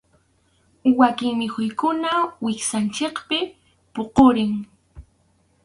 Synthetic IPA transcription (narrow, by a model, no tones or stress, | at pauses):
wakɪŋmɪxʊjkʊnawɪksant͡ʃekpɪ | poqoɾɪŋ